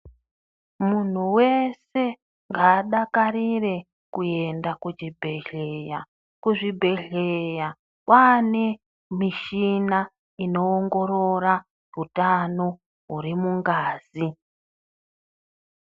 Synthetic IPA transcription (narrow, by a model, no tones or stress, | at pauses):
mun̤uwe̞se̞ | ŋɡaːɗakarire̞ | kuje̞ndakud͡ʒibʱe̞ɮeja | kuʐibʱe̞ɮeja | kwane̞ | miʃina | ino̞ːŋɡo̞ɾo̞ɾa | utano̞ | ɦuɾimuŋɡaːzi